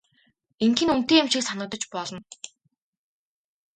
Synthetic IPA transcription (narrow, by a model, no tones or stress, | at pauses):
eŋkʰĭnun̥t̪eːemʃĭksanə̆k̚t̪ə̆t͡ɕpɔɮɞ̆n